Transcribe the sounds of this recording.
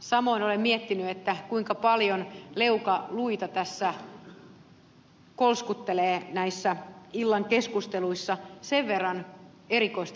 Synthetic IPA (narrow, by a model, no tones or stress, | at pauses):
sɑmoinolemmiet̪ːinyet̪ːækuiŋkɑpɑljonleukɑluit̪ɑt̪æsːæ | kolskut̪ːeleːnæisːæilːɑŋkeskust̪eluisːɑseʋʋerːɑn | eɾikoist̪